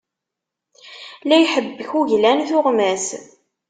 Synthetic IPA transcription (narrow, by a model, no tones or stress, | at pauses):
læjħəbːəçuʝlænθʊʁmæs